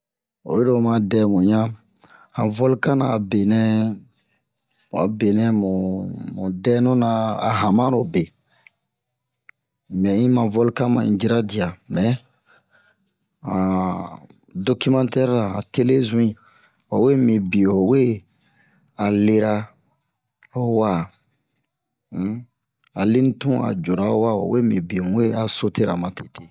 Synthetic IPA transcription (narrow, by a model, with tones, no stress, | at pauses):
o̰˨je˦ɾo˦˨mã˨dɛ˦mũ˨ɲã˦ | hã˨vɔ˦lkã˦naː˨be˨nɛ̃˦˨ | a̰˨be˨nɛ̃˦mũ˨mũ˨dɛ˦nũ˦nã̰ː˨ɦã˨mã˦ɾo˨be˨ | mɛ̃˨ĩ˦mã˨vɔ˦lkã˦mã˨ḭ̃˨d͡ʒi˦ɾa˦di˨a˨mɛ˨ | ã˨ | do˦ki˦mã˦ntɛ˦ɾɾa˨a˨te˦le˦zũ˦ĩ˨ | o˨we˦mĩ˨bĩ˨o˨we˦ | a˨le˦ɾa˦ | o˦wa˦ | a˨li˦n˦tũ˦a̰˨d͡ʒo˨ɾa˦wa˦o̰˨we˦mĩ˨bĩ˨˦e˦a˨so˦te˦ɾa˨mã˨te̥˨tʰe˨